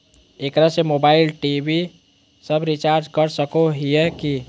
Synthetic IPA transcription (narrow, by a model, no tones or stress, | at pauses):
ekɾasemoːbaːɪlʈibi | səbɾit͡ʃaːɾd͡ʒkəɾsəkoɦiɛki